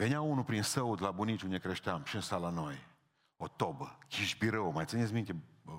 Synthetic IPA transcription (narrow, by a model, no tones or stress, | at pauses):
veneaunupɾinsəut̪labunit͡ʃʲund̪ekɾeʃt̪eamʃiɨnsalanoj | ot̪obəkʰʲiʃbiɾəwmajt̪sɨnesʲmint̪ʲe